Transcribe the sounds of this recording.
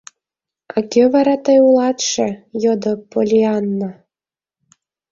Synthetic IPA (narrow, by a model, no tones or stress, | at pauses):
ɑkʲøvɑɾɑt̪ɤjulˠɑt̪ʃĕjod̪opolʲiɑnːɤ